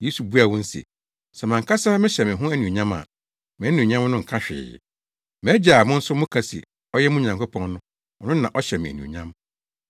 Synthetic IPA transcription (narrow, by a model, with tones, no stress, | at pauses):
je˦su˨bu˦a˨wɔ̃˦n̩˦sḭ˨ | sɛ˨mã˨ŋkʰa˦sa˦mɪ̃˦ɕɛ˨mɪ̃˨ɦʊ̃˦æ˦nũ˨ɲã˦ma̰˨ | mɪ̃˨æ˦nũ˨ɲã˦mnʊ̃˦ŋ̩˨kʰa˦ɕᶣɪ̰˨ | m̃ː˨˦d͡ʑa˨mʊ̃˦n̩˦sʊ˦mʊ̃˦kʰa˦sḭ˨ | ɔ˦jɛ˦mũ˦ɲã˨ŋkʰo˦pʰɔ̃˦ŋnʊ̃˦ | ɔ˨nʊ̃˦nã˨ʔɔ˦ɕɛ˨mɪ̃˨æ˨nṵ̃˨ɲã˦m